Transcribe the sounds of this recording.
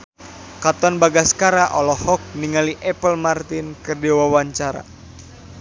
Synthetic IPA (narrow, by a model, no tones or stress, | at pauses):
kat̪ɔnbaɡaskaɾaʔɔlɔhɔk̚niŋaliʔɛpəlmart̪ɪnkərdɛwawaɲt͡ʃaɾa̰